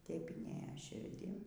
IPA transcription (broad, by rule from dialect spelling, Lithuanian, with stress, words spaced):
tɐɪp ɪnʲˈeːjɛ ʃʲɪrʲˈdʲɪn